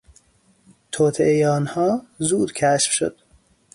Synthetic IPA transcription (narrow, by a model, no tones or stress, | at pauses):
t̪ʰoːt̪ʰeʔejeɒːnhɒːzuːd̪cʰæʃfʃo̰d̪̥